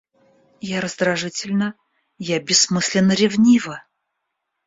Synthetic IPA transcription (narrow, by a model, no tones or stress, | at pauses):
jaɾəzd̪ɾɐʐɨtʲɪlʲnə | jabʲɪsːmɨsʲlʲɪnːəɾʲɪvnʲivə